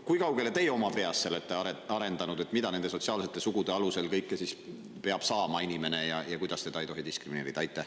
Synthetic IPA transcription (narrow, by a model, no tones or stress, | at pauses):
kujkɑwɡ̥e̞let̪e̞jeo̞mɑpe̞ɑsːelet̪ːˑeɑɾeɑɾe̞nd̪ɑnud̪̥e̞t̪mid̪̥ɑne̞nd̪e̞s̬o̞t̪siɑːlse̞t̪ːˑe̞suɡ̥ud̪eɑluse̞lkɤjkːˑesis | peɑb̥sɑːmɑinʲime̞ne̞jɑjɑkujd̪̥ɑst̪eːd̪ɑejt̪o̞ɦid̪̥iskrimine̞ːɾid̪ɑɑjt̪ːˑæh